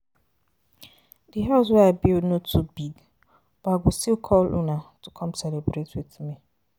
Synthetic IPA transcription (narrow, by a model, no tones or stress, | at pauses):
diɦɛls̬wɛabilnotʰubiɡ | b̥aɡistilkʰɔlṵnatukʰɔ̃msɛlebɾetwitmi